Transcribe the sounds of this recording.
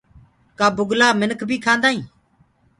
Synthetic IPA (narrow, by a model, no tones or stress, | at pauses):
kaːbʊɡlaːmɪnəkʰbʱiːkʰãːnd̪aːĩː